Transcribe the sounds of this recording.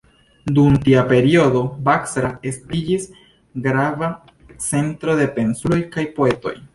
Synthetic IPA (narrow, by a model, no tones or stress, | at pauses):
dumtiape̞ɾio̞do̞baksɾae̞stid͡ʒis | ɡɾava | t͡se̞ntɾo̞de̞pe̞nsulo̞jkajpo̞e̞to̞̰j